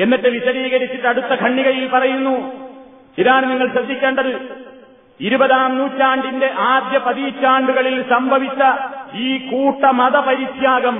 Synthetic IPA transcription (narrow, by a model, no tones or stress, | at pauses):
enːɐʈːɨʋiɕɐɾiːɣɐɾit͡ɕːiʈːɐɽut̪ːɐkʰɐɳːiɣɐjilpɐrɐjunːu | t͡ɕiɾaːɳniŋːɐɭɕrɐd̪ʱːikʲːe̞ːɳɖɐðɨ | iɾubɐðaːmnuːtːaːɳɖinde̞ʔaːd̪jɐpɐðiːt͡ɕːaːɳɖuɣɐɭilsɐmbʱɐʋit͡ɕːɐiːkuːʈːɐmɐðɐpɐɾiɕjaːɡɐm